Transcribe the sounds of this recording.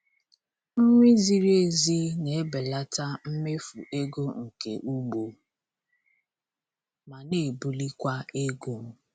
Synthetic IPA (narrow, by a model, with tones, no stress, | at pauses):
m̩˦ŋʷi˦zi˦ɾe˦zi˦ne˨˦be˨la˦ta˦m̩˦me˦fṵ˨ʔe˦ɡo˦ŋ̩˨kḛ˨ʔu˦ɡ͡bo˨ | ma˨ne˨bu˨li˦kʷa˦e˦ɡo˦˨m̩˦